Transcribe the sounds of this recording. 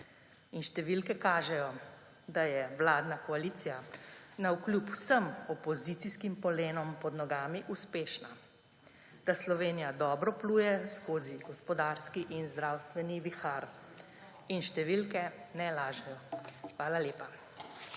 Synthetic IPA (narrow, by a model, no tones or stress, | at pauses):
inʃt̪ɛʋilkɛkaːʒɛjɔ | d̪ajɛʋlaːd̪nakɔaliːt̪sijanauklʲjupwsəmɔpɔzit̪iskimpɔleːnɔmpɔd̪nɔɡaːmiʔuspeːʃna | d̪̥aslɔʋeːnijad̪ɔːbɾɔpluːjɛskoːziɡɔspɔd̪aːɾskiʔinzd̪ɾawst̪ʋɛniʋixaɾ | inʃt̪ɛʋilkɛnɛlaːʒɛjɔxʋaːlaleːpa